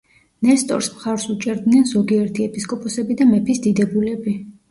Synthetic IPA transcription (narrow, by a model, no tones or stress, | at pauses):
nɛst̪ʼɔ̰ɾsmχaɾsut͡ʃʼɛɾd̪nɛnzɔɡiɛɾt̪ʰiɛpʰʼiskʼɔpʼɔsɛbid̪amɛpʰisd̪id̪ɛbulɛbi